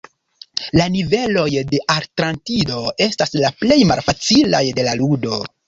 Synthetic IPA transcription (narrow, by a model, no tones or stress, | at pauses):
lanive̞lo̞jde̞ʔaɾtɾantido̞e̞staslaple̞jma̰lfat͡sila̰jde̞laludo̞